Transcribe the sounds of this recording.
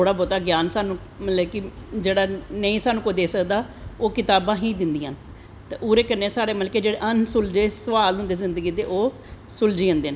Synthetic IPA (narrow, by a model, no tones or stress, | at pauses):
t̪ʰoːɽaːbɔːt̪aːɡjaːnsaːnũː | mət̪ləbkɪd͡ʒeːɽaːnəĩːsaːnũːkod̪eːsəkd̪aː | oːkɪt̪aːbãːɦĩːd̪ɪnd̪iãːn | t̪eʔuːɾeːkəɾneːsaːɽeːməlkeːd͡ʒeːɽeːʔənsʊld͡ʒeːsəʋaːlʊ̃nd̪eːzɪnd̪əɡiːt̪eːʔoː | sʊld͡ʒiːə̃nd̪eːnː